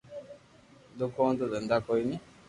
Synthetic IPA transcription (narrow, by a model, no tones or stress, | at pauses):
d̪ukond̪od̪ənd̪akɔjni